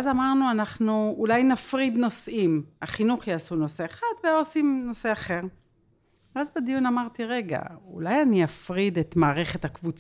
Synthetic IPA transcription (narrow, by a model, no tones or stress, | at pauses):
azamaʁnuanaχnuulajnafʁidno̞sʔimaχinuχjaːsuno̞se̞eχadveosimno̞se̞aχe̞ʁ | veazbed̪ijunamaʁt̪iʁe̞ɡa̰ṵlajaniafʁidet̪maːʁe̞χe̞t̪hakvut͡s